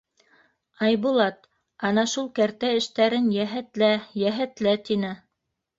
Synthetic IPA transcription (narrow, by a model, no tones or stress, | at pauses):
ɑjβulˠɑt̪ | ɑnɑʃulˠkæɾt̪æɘ̆ʃt̪æɾɘnjæɦæt̪læjæɦæt̪læt̪inɘ